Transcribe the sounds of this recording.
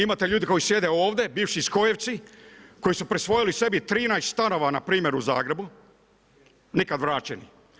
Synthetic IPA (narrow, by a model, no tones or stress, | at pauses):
imat̪e̞ʎuːd̪iko̞jisje̞d̪eoːʋd̪e̞biːʋʃisko̞jeʋ̪siko̞jisupɾisʋo̞jilise̞bit̪ɾiːnajst̪st̪ano̞ːʋana̰pɾiːmje̞ɾuza̰ːɡɾe̞bu | nikad̪ʋɾaːt͡ɕenḭ